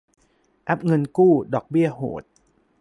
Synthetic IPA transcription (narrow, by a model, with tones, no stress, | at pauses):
ʔɛ˦˥p̚ŋɤ˧nkuː˥˩dɔː˨˩k̚bi˥˩ɐho̰ː˨˩˦t̪̚